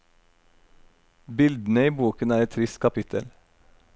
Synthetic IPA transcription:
bɪld̪n̩əiːbuːkənæːɾɛt̪ʰɾɪst̪̚kʰɑpɪt̪ʰə̰l

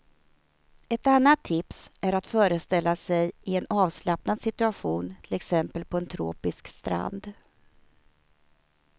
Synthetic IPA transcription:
ɛt̪anːat̪ʰːɪpsʔæɾat̪fœːɾəst̪ɛlːasɛjɪɛnɑːvslapnad̪sɪt̪ɵaɧuːnt̪ʰɪlɛksɛmpəlpʰɔɛnt̪ʰɾo̰ːpɪskst̪ɾa̰nd̪

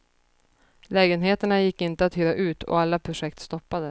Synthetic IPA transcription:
lɛːɡənɦeːt̪əɳajɪkːɪnt̪əat̪hyːɾaʔʉ̟ːt̪ʰɔ̰alːapʰɾʊʂɛkt̪st̪ɔpːad̪ə

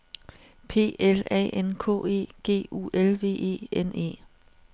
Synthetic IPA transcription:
pʰe̝̰ːelɛ̰ːenkʰɔ̰ːe̝̰ːɡ̥e̝̰ːṵːelʋe̝̰ːe̝̰ːene̝̰ː

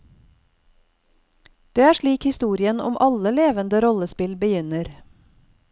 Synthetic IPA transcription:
d̪̥eːæːʃɭiːkhɪst̪uːɾɪənɔ̰mʔɑləleːʋənd̪əɾɔləspɪlbəjʏnəɾ

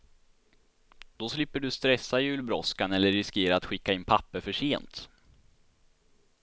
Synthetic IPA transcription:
d̪̥ɔslɪpːəɖɵst̪ɾɛsːajʉ̟ːlbɾɔskanɛlːəɾɪskeːɾaːt̪ɧɪkːaɪnpʰapːəfœʂeːnt̪

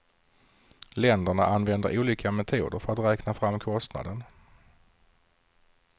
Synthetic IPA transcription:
lɛnd̪əɳaʔanvɛnd̪əɾuːliːkʰamɛt̪ʰuːd̪əɾfœɾat̪ɾɛːknafɾamːkʰɔst̪na̰d̪ən

